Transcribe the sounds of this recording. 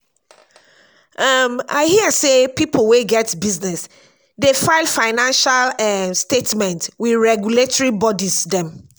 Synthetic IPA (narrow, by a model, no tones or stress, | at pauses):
ʔʌma̰ɪhiəsepipʰol̩weɡɛtbiznɛs | defaɪlfaɪnãnʃalɛstetmɛ̃ntwiɹɛɡjuletɔɹibɔdizdɛ̃m